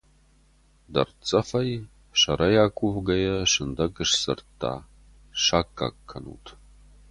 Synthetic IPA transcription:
dɐrt͡sʼɐfɐj | ʃɐɾɐjaːkʷʼuvɡɐjɐʂɨnd̪ɐɡɨʂsɨ̰rtʰːa̰ː | ʂaːkʼːa̰kʰːɐnṵːtʰ

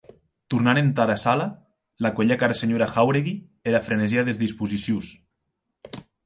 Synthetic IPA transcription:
t̪uɾnanent̪aɾasala | lakweʎakaɾaseɲoɾaxawɾeɣi | eɾafɾeneziaðezðispuzisjus

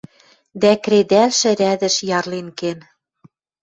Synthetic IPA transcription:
d̪ækɾed̪ælʃɘ̆ɾæd̪ɘ̆ʃjɑrlenken

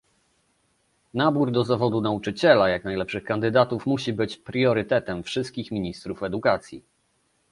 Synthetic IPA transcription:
nabuɾd̪ɔzavɔd̪unaut͡ʂɘt͡ɕɛlajaknajlɛpʂɘxkand̪ɘd̪at̪ufmuɕibɘt͡ɕpɾjɔɾɘt̪ɛt̪ɛmfʂɘst̪kʲixmʲiɲist̪ɾufɛd̪ukat̪sʲjḭ

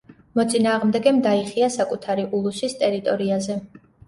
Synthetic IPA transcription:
mɔt̪sʼinaːʁmd̪ɛɡɛmd̪aiχiasakʼut̪ʰaɾiʔulˠusist̪ʼɛɾit̪ʼɔɾiazɛ

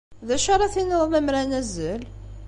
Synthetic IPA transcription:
ðæʃɑɾˤɑθinəðˤnəmɾænæzəl

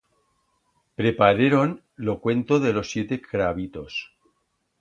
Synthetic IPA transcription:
pɾepaɾeɾon | lokwe̞nt̪oðelo̞sːje̞t̪ekɾaβ̞it̪o̞s

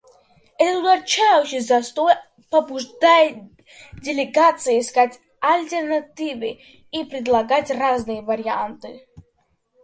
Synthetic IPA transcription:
ɛt̪ət̪ud̪ɐt͡ɕajʊɕɪzɐst̪oj | pɐbʊʐd̪aj | dʲɪlʲɪɡat̪sɨjskatʲ | ɐlʲt̪ʲɛrnat̪ʲivɨ | ipɾʲɪd̪lˠɐɡatʲraznɨjəvɐɾʲɪant̪ɨ

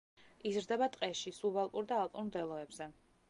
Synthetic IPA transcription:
izɾd̪ɛbat̪ʼqʼɛʃisubalˠpʼuɾd̪aːlˠp̪ʼunɾd̪ɛlˠɔɛbzɛ

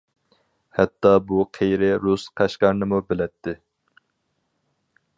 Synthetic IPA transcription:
hɛt̪ːɑbuqʰejɾɪɾusqʰæʃqɑɾnɨmubɪlɛt̪ʰːɪ

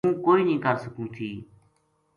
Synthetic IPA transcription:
ũːkoːiːnĩːkaːsəkũːt̪ʰiː

